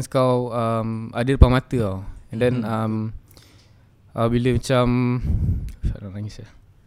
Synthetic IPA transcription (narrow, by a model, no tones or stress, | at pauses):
nskawamadəɾpamat̪əawɛndɛnam | apabiləmat͡ʃam | fa̰laŋlaŋisa